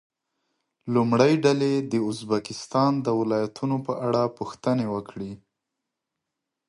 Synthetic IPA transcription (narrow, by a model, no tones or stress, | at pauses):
lumɽəjɖaled̪əʊzbakɪst̪ɑnd̪əwɪlɑjat̪ʰunopəʔaɽapuxt̪ənewəkɽi